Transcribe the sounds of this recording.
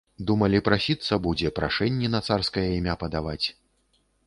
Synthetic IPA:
d̪umɐlʲipɾasʲit̪sːɐbud͡zʲɛpɾa̰ʂɛnʲːɛnɐt̪sarskɐjɐimʲapɐd̪avat͡sʲ

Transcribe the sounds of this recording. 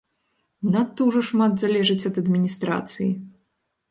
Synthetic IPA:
nat̪ːɔwʐɔʂmad̪zalʲɛʐɨt͡sʲɐd̪ɐd̪mʲinʲist̪ɾa̰t̪sɨjḭ

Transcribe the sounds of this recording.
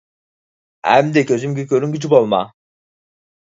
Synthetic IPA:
æ̰md̪ɛcʰøzymɟicøɾynɟyd͡ʒybolˠma̰

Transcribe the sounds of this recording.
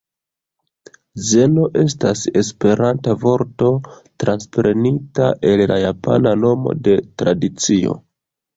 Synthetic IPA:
ze̞no̞ʔe̞s̬tase̞spe̞ɾantavo̞ɾto̞tɾʔanspɾe̞nita̰ʔe̞llajapʰa̰nano̞mo̰de̞tɾadit͡sio̞̰

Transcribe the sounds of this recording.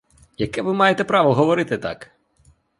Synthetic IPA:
jɐkɛʋɪmɑjet̪ɛpɾɑʋɔɦɔʋɔɾɪt̪ɪt̪ɑ̰k

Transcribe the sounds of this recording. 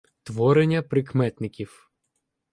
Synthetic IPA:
t̪ʋɔɾenʲːɐpɾɪkmɛt̪nɪkʲiw

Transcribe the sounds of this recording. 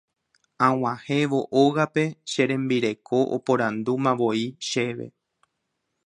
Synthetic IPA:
ãw̃ãhe̞ʋo̞ʔoɣape̞ʃe̞ɾẽ̞mbiɾe̞kʰo̞ʔo̰põɾãnd̪umãʋo̞iʃe̞ʋe̞̰

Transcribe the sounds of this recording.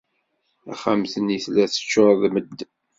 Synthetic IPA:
æ̰χamθəniθlæθə̥t͡ʃːoɾˤðməd̪ː

